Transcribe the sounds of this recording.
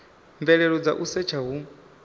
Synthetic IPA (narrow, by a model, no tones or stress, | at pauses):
ɱvɛɺɛɺɔd͡za̰ʔusɛt͡ʃʰaɦu